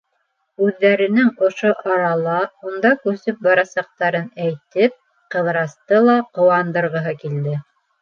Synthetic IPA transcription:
ʉðːæɾɘ̆nɘŋŏʃoʔɑɾɑlˠɑund̪ɑkʉsɘp̚bɑɾɑsɑq̚t̪ɑɾɤnæjt̪ɘp̚ | qɤ̆ðɾɑst̪ɤlˠɑqŏwɑnd̪ɤ̆ɾʁɤ̆ɦɤkild̪ɘ

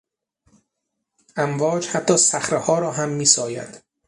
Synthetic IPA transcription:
ʔæmvɒːd͡ʒhæt̪ʰːɒːsæxɾehɒːɾɒːɦæmːiːsɒːjæ̰d̪̥

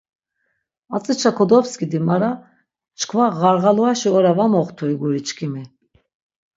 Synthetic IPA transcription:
at͡sʼit͡ʃʰakʰɔd̪ɔpskid̪imaɾa | t͡ʃʰkʰvaɣaɾʁaluaʃiɔɾavamɔχt̪ʰuiɡuɾit͡ʃkʰimi

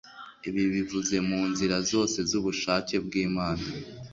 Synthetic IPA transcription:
iβiβivuze̞muːnziɾazo̞ːse̞zuβuʃaːce̞b̚ɡiːmaːna

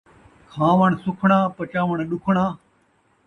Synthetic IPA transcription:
kʰãːʋəɳsʊkʰɳãːpət͡ʃãːʋəɳɗʊkʰɳ̃ãː

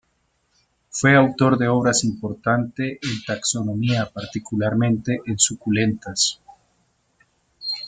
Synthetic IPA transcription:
fweawt̪oɾðeoβɾasimpoɾt̪ant̪eʔent̪aksonõmiapaɾt̪ikulaɾmẽnt̪eʔensukulent̪as

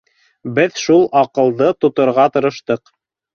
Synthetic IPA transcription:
bɘðʃulˠʔɑqɤ̆lˠðɤt̪ŏt̪ŏɾʁɑt̪ɤ̆ɾɤ̆ʃt̪ɤq

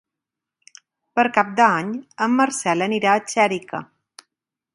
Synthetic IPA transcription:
pəɾkap̚d̪əaɲəmːəɾsɛləniɾaət͡ʃɛɾikə̰

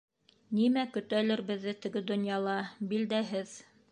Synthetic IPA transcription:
nimækɵ̆t̪ælɘ̆ɾbɘ̆ðːɘt̪ɘ̆ɡɘd̪ŏnjɑlˠɑbild̪æɦɘð

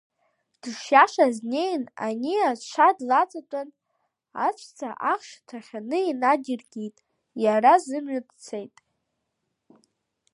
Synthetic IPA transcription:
d̥ɨʂjaʃaznejna̰niat͡ʃʷʰadlat͡sʼat͡pʷʼan | a̰t͡ʃʷʰʼt͡sʰaʔaχʂtʰaχʲanɨinaɡʲɪrɡʲitʼ | jarazɨmɥadt͡sʰejtʼ

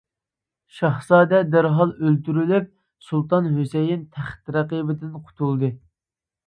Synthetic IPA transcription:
ʃɑhsɑːd̪ɛd̪æɾɦɑlˠølt̪yɾylyp̚ | sulˠt̪ɑnɦøsejint̪ʰæχt̪ɾɛqibɪd̪ɪnqʰʊ̥t̪ʰulˠd̪ɨ

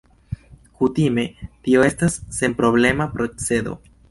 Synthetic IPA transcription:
kutime̞tio̞e̞stasːe̞mpɾo̞ble̞mapɾo̞t͡se̞do̞̰

